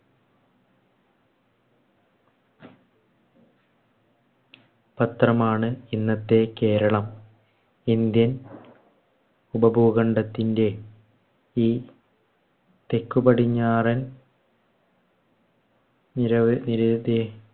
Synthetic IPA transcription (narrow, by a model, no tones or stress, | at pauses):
pɐt̪rɐmaːɳɨinːɐt̪ːe̞ke̞ːɾɐɭɐm | ind̪jɐn | ubɐbʱuːɣɐɳɖɐt̪ːinde̞ | iː | t̪e̞kːubɐɽiɲːaːrɐn | nɐniɾɐd̪e